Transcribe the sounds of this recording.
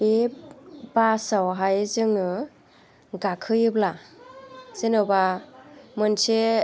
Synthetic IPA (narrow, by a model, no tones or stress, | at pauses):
e | basawɦajzɯŋɯ | ɡakʰɯjɯbla | z̥enɯba | mɯnsʰe